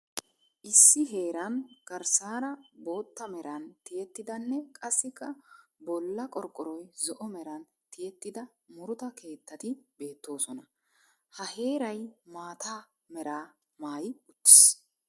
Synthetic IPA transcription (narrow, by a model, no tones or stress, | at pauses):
ʔɪsːɪɦe̞ːɾɐnɡ̥ɐɾsaːɾɐbo̞ːt̪ːɐmɛɾɐnt̪ɪjɛt̪ːɪd̪ɐnːɛkʼɐsːɪkːɐbɔlːɐkʼɔɾkʼːɔɾɔjzɔʔɔmɛɾɐn | t̪ɪjɛt̪ːɪd̪ɐ | mʊɾʊt̪ɐke̞ːt̪ːɐt̪ɪbe̞ːt̪ːo̞ːsɔnɐ | hɐhe̞ːɾɐjmaːt̪aː | mɛɾaː | maːjʊt̪ːɪ̥s